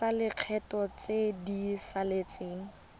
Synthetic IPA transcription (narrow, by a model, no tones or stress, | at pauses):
alɪq͡χʰɛtɔt͡sedisalet͡seːŋ̩